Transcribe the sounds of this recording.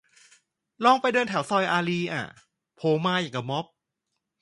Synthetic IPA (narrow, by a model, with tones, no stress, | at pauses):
lɔː˧˩ŋpa˧jdɤː˧nt̪ʰaː˩˦wsɔː˧jʔaː˧liː˧ʔa̰ː˨˩ | pʰoː˧maː˧jaː˨˩ŋka˧˩mɔ˦˥p̚